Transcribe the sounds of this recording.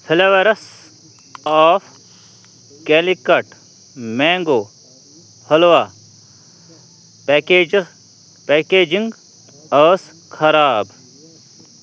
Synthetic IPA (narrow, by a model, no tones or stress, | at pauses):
pʰilɐʋɐɾɐs | aːfʰ | keːlikɐʈ | meːŋɡoː | hɐlʋaː | ke | peːkeːd͡ʒiŋɡ | ɐːs | kʰɐɾaːb